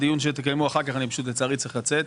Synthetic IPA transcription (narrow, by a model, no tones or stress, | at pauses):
d̪ijunʃet̪ekajmuaχaʁkaχanipḁʃut̪̬let͡saːʁitt͡sʁiχlat͡set̪